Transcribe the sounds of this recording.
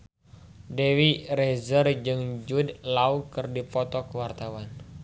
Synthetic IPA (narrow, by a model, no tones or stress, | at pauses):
dɛwirɛzərd͡ʒɨŋd͡ʒudlaukɨrdipɔt̪ɔkəwart̪awan